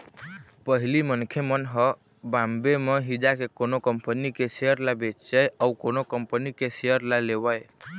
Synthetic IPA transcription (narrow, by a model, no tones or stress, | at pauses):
pəɦilimənkʰjemənɦə | bambemeɦid͡ʒakekonokəmpənikeseəɾlabet͡ʃəjaukonokəmpənikeseəɾlalewəj